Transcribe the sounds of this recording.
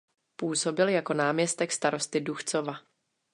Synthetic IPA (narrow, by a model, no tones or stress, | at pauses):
puːso̞bɪljako̞naːmɲɛst̪ɛkst̪aɾo̞st̪ɪduxt͡so̞va